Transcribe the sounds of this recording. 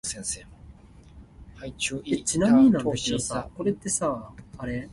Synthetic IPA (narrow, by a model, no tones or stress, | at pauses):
sẽse | et͡ɕinamʲiɲ̟inãnaɕiosako̞ɾe̞t̪ːe̞saaɾe̞